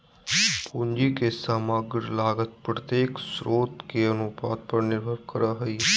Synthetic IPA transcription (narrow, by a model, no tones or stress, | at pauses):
pund͡ʒikesaːmaːɡɪɾlaːɡət̪̚pɾət̪jeːksɾoːt̪keɐnʊpaːd̪̚pəɾnɪɾbʱəɾkəɾaɦɐi